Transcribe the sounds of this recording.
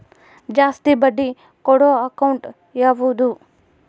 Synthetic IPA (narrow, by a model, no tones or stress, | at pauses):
d͡ʒaːst̪ibɐɖːi | kɔɽoɐkɐwɳʈ | jaːʋuːd̪u